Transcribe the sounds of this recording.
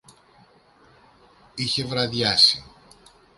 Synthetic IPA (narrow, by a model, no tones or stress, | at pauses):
içe̞vɾɐðʝɐsi